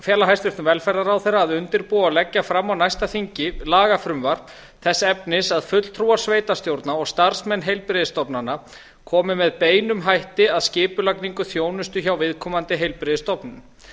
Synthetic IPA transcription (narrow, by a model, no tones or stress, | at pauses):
fjɛːlaɦajst̪vɪɾ̥t̪ʏvɛlfɛɾːaɾawθejrːaːðʏnt̪ɪɾpualɛcːafɾamːawnajst̪aθiɲcɪlaːɣafɾʏmvaɾ̥ | θɛsːaɛpnɪsaðfʏt̪l̥t̪ʰɾuwaɾ̥sveːjt̪ast̪jowɾt̪naɔɣst̪aɾ̥smɛnːɦejlpɾɪðɪst̪ɔpnana | kʰɔːmɪmɛðpeːjnʏmɦajht̪ɪaðscɪːpʏlakniŋkʏθjoːwnʏst̪ʏçawvɪðkʰɔːmant̪ɪɦejlpɾɪðɪst̪ɔpnʏm